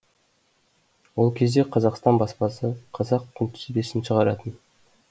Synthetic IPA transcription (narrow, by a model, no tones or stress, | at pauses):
wo̞lˠkʲʰe̞zd̪e̞qʰɑzɑqst̪ɑnbɑspɑsəqʰɑzɑqkʰʲʏnt̪ʰʏ̥sbe̞sɪnʃəʁɑɾɑt̪ən